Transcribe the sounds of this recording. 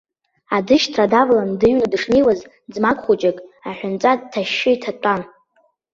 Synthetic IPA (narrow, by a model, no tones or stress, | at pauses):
adɨʃtʰradavlandɨɥnadɨʂne̞jwaz | d͡zmakʷʼχut͡ʃʼakʼaħʷᶣʊnt͡sʼatʰːaʃːɪitʰatʷʼan